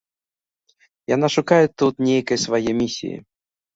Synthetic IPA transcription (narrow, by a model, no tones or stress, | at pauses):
janaʂʊkajɪt̪ːut̪nʲejkəjsvajemʲisʲːḭjɪ̰